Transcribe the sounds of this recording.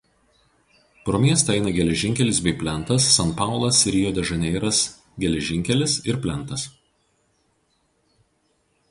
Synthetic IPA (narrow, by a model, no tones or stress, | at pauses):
pɾoːmʲiɛst̪ɐɛɪnɐɡʲɛlʲɛʒʲɪŋʲkʲɛlʲɪsbʲɛɪpʲlʲɛnt̪ɐsːɐnˑpɑˑʊlˠɐsɪɾʲɪjoːd̪ʲɛʒɐnʲɛɪɾɐs | ɡʲɛlʲɛʒʲɪŋʲkʲɛlʲɪsɪɾpʲlʲɛnˑt̪ɐs